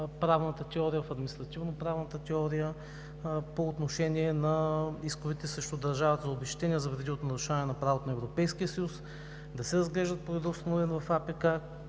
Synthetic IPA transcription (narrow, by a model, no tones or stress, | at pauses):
pɾavnət̪ət̪ɛɔɾijəvɐfɐd̪minist̪ɾɐt̪ivnopɾavnət̪ət̪ɛɔɾijə | poːt̪noʃɛniɛnɐiskʊvit̪ɛsɾɛʃt̪ʊd̪ɐɾʒavɐt̪zɐobɛʃt̪ɛniəzɐvɾɛd̪iot̪onɐɾʊʃaɛnɐpɾavot̪onɐɛvɾopɛjskiəsɐjus | d̪ɐsɛɾɐzɡlɛʒd̪ət̪̚poid̪ɔst̪onoɛnvɐfapɛka